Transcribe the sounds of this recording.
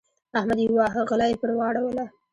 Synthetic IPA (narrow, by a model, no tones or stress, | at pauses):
ahmad̪jwɑɦəɣalajepəɾwɑɽawəla